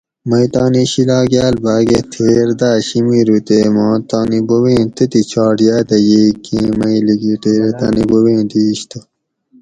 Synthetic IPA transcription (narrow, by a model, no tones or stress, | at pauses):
mɐit̪ɑːniɕilaːɡjaːlbaːɡet̪ʰeːɾd̪aːɕimiːɾut̪eːmɑ̃ːt̪aːnibowẽːt̪et̪it͡ɕʰɑːʈjaːd̪ɐjeːkẽːmɐiliɡut̪eːɾet̪a̰ːnibowẽːd̪iːɕt̪ɐ